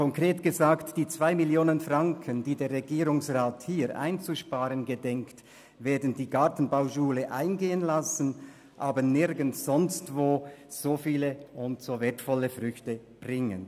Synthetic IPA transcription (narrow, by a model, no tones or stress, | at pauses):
kɔŋkʁeːtɡ̥əzaːktd̥iːt͡sv̥aɪmɪljoːnənfʁaŋkʰəndiːdeːɐʁeɡiːɾʊŋsʁaːthiːɾʔa̰ɪnt͡suʃpaːɾənɡədɛŋkt | veːɐdn̩diːɡaʁtn̩baʊʃuːləʔa̰ɪnɡeːənlasən̩ | ʔaːbənɪɾɡən̩sz̥ɔnstvoːz̥oːfiːləʊntsoːveːɐtfɔləfʁʏçtə | b̥ʁɪŋə̰n